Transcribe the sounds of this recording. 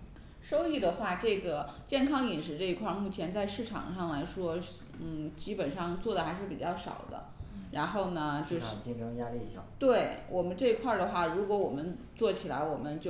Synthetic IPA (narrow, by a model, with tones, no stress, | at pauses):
ʂo˥ʊi˥˩d̪ə˩xwa˥˧ʈ͡ʂɤ˥˩ɡə˩t͡ɕjɛ˥˩nkʰɑ˥ŋi˨˩nʂ̬ɻ̩˧˥ʈ͡ʂɤ˥˧i˧˥kʰwa˥˧mu˥˩t͡ɕʰjɛ˧˥nt͡sa˥˧ɪʂɻ̩˥˩ʈ͡ʂʰɑ̰˨˩ŋʂɑ˥˩ŋla˧˥ɪʂwɔ˥ | n̩˥˩t͡ɕi˥pə˨˩nʂɑ˥˧ŋt͡swɔ˥˩d̪ə˩xa˧˥ɪʂɻ̩˥˩pi˨˩t͡ɕjɑ˥˩ʊʂɑ̰˨˩ʊd̪ə̰˦ɻa˧˥nxo˥˩ʊnə˩t͡ɕjo˥˧ʊʂi˥˧ŋʈ͡ʂɤ˥ŋja˥li˥˩˥t̪we˥˩ɪwʔɔ˨˩mə˦nʈ͡ʂɤ˥˩i˧˥kʰwa˥˩d̪ə˩xwa˥˩ɻu˧˥kwɔ˧˥wɔ˨˩mə˦nt͡swɔ˥˩t͡ɕʰi˨˩la̰˧˥ɪwɔ˨˩mə˦nt͡ɕjo˥˩